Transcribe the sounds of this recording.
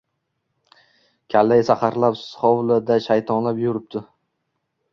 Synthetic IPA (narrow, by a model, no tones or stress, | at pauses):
kʲʰalːajsaχaɾlapsχɒwlad̪aʃajt̪ʰɒnlapjʊɾɪp̚t̪ʰʊ